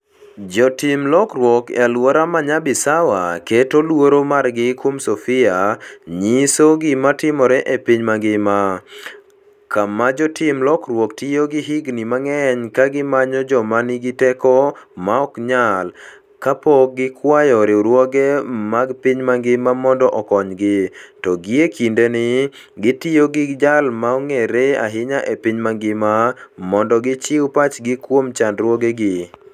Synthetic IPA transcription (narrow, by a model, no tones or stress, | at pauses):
d͡ʒɔtɪmlɔkɾwɔkalwoɾamaɲabɪsawa̰ketolwoɾomarɡɪkwomsofɪaɲisoɡɪmatɪmɔɾɛʔepiɲmaɡɪma | kamad͡ʒɔtɪmlɔkɾwɔktijoɡɪɦɪɡnimaŋɛɲkaɡɪmaɲɔd͡ʒɔmaniɡɪtɛkɔmaɔkɲal | kapɔk̚ɡɪkwajɔɾɪɾwɔɡemaɡpɪɲmaŋɡɪmamɔndɔʔɔkɔɲɡɪtɔɡɪekʰindenɪ | ɡɪtioɡɪɡd͡ʒalmaɔŋeɾea̰ɦɪɲaʔepɪɲmaŋɡɪmamɔndɔɡɪt͡ʃɪwpat͡ʃɡɪkwomt͡ʃandɾwɔɡeɡɪ